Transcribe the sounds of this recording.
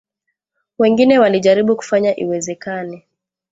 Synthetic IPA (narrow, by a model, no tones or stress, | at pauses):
wɛŋɡinɛwaliʄaɾiɓuku̥faɲaʔiwɛzɛkanɛ